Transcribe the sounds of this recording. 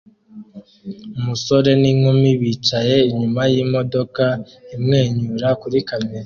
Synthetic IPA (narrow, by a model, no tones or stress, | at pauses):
umuso̞ɾe̞niŋumiβiːt͡ʃaje̞iɲumajiːmo̞do̞ka | imŋe̞ːɲuɾakuɾikaeɾa